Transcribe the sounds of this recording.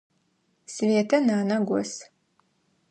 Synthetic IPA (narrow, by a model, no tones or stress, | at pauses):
sɨveːtʰɐnaːnɐɡʷɔs